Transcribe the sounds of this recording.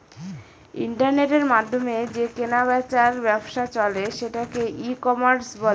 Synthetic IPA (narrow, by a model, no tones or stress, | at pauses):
ḭɳʈaɾneʈeɾmad̪ʱːomed͡ʑekenaβat͡ɕaɾbɛbʃat͡ɕɔleʃeʈakeʔikɔmaɾsbol